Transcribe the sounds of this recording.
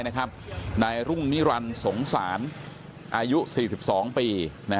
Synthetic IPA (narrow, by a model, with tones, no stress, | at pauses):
jna˦˥kʰa˦˥p̚naː˧jɾu˥˩ŋni˦˥ɾa˧nso˩˦ŋsaː˩˦n | ʔaː˧ju˦˥siː˨˩si˨˩p̚sɔː˩˦ŋpiː˧ | na˦˥